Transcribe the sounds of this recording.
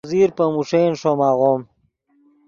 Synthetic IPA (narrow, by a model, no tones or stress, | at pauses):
ziːɾpɐmuʂenʂomaːɣom